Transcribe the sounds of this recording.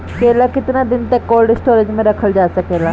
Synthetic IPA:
keːlaːkɪt̪naːd̪ɪnt̪əkːɔːlɖɪsʈoːɾed͡ʒmẽɾəkʰəld͡ʒaːsəkeːlaː

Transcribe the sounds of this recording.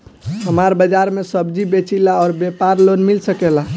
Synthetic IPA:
ɦəmaɾbəd͡ʒaɾmesəbd͡ʒibet͡ʃilaɔːɾbepaɾlonmilsəkela

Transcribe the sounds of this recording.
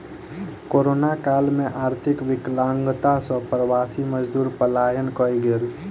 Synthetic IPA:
koːɾoːnakaːlmẽʔaːɾt̪ʰɪkʋɪklaːŋɡt̪asɔ̃pɾəʋaːsiməd͡ʒd̪uːɾpəlaːjənkɔiɡɪɾ

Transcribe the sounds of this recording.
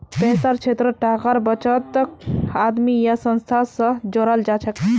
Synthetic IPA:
pɛsaɾt͡ʃʰet̪ɾəʈakaɾbət͡ʃət̪ːəkad̪mijasənst̪ʰasə̃d͡ʒoɾald͡ʒat͡ʃʰək

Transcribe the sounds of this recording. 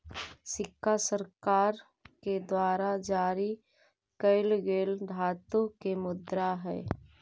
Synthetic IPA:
sɪkʰːasəɾkaːɾ | ked̪waːɾad͡ʒaːɾi | kəɪlɡeːld̪ʱaːt̪õkemʊd̪ɾaɦɛ̰ː

